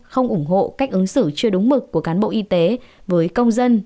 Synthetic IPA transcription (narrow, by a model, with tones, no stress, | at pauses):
xə˧wŋ͡mʔʊ˧˩ŋ͡mɦo̰˧˨ka˦˥jk̟ʔɨ˨˦ŋsɨ˧˩t͡ɕɨ˧əɗʊ˨˦ŋ͡mmɨ˨˩k̚kːu˧˩əkaː˨˦nɓo̰˧˨ʔi˧t̪e˨˦vəː˨˦jkə˧wŋ͡mzə˧n